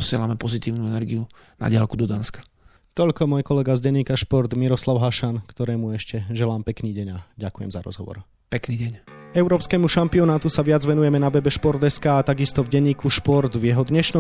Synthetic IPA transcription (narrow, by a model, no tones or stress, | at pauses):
sɪɛlamɛpɔzit̪iːʊnuɛnɛɾɡiu | na̰ɟɪalkud̪ɔd̪anskḁ | t̪ɔʎkɔmɔjkɔlɛɡazɟɛɲiːkaʃpɔɾd̪miɾɔslaʊɦaʃankt̪ɔɾɛːmuɛʃcɛʒɛlaːmpɛkniːɟɛɲaɟakujɛ̰mzaɾɔ̰zɦɔ̰ʋɔ̰ɾ | pɛkniːɟɛɲɛʊɾɔːpskɛːmuʃampiɔnaːt̪usaʋɪad͡zʋɛnujɛmɛnaʋɛbɛʃpɔɾd̪ɛskaːt̪aɡist̪ɔvɟɛɲːiːkuʃpɔɾd̪vjɛɦɔd̪ɲɛʃnɔ